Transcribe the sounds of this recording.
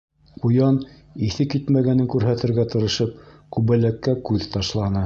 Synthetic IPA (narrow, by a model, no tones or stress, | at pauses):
qujɑn | iθɘkit̪mæɡænɘŋkʉɾɦæt̪ɘ̆ɾɡæt̪ɤ̆ɾɤ̆ʃɤp̚kʉβælækːækʉðt̪ɑʃlˠɑnɤ